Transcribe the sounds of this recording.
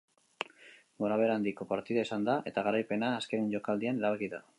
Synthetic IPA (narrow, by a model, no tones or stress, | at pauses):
ɡoɾaβ̞e̞ɾand̪iko̞paɾt̪iðaisand̪aʔe̞t̪aɣaɾajpe̞naːske̞ɲʝo̞kald̪iane̞ɾaβakiða